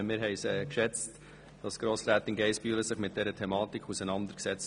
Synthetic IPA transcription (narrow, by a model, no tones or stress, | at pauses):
mɪːɾɦɛɪsɛkʃɛt͡st | d̥ɑsɡ̥ɾoːsɾæːt̪ɪnɡɛɪspyːləsɪχmɪt̚d̥ɛɾətʰɛmɑːtikʰχusənɑnd̪əɾksɛt͡s